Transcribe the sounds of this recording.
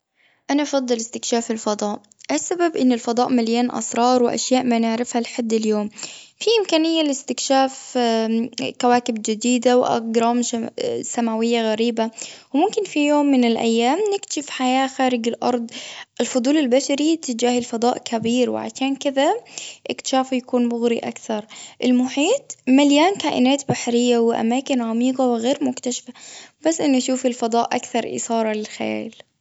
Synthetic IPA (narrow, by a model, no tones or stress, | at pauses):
ʔanaʔɑfɑd̪ˤːɨlɪst̪ɪkʃaːfɪlfɑd̪ˤɑːʔ | ʔasːababʔɪnːɪlfɑd̪ˤɑːʔmaljaːnʔɑ̰sˤɾˤɑːɾˤwɪʔa̰ʃjaːʔmaːnɪʕɾɪfhalħad̪ːɪljoːmfiʔɪmkaːnɪjːalɪst̪ɪkʃaːf | kawaːkɪbd͡ʒɪd̪iːd̪awʔɑ̰ɡɾˤɑːmsamaːwɪjːaɣaɾiːbawmʊmkɪnfijoːmːɪnɪlʔa̰jːaːmnɪkt̪ḁʃɪfħajaːxaːɾɪɡɪlʔɑ̰ɾˤd̪ˤʔɪlfʊd̪ˤuːlɪlbaʃaɾit̪ːɪd͡ʒaːhɪlfɑd̪ˤɑːʔkʰabiːɾwɪ̰ʕa̰ʃaːnkɪðaʔɪkt̪ɪ̥ʃaːfjakuːnbʊɣɾiʔa̰kθɑɾˤʔɪlmʊħiːt̪ˤmaljaːnkaːʔɪ̰naːt̪baħɾɪjːawɪʔa̰maːkɪnʕamiːqɑwɪɣeːɾmʊkt̪aʃḁfabasːʔɪnːʔaʃuːfɪlfɑd̪ˤɑːʔʔa̰kθɑɾˤʔɪ̰sɑːɾˤɑlɪlxa̰ja̰ːl